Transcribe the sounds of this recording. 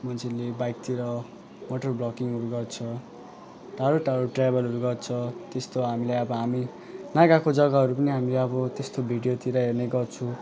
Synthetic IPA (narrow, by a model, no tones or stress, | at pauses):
mʌnsʰinlːebajkt̪iɾʌ | moʈʌrblʌkiŋɦʌɾuɡʌrt͡sʰʌ | ʈaɾoʈaɾoʈrajbʌlɦʌɾuɡʌrt͡sʰʌt̪est̪oɦamilajʌbʌɦami | naɡakod͡zʌɡaɦʌɾupʌniɦamileʌbʌt̪est̪obʱiɖijot̪iɾʌɦerneɡʌrt͡sʰu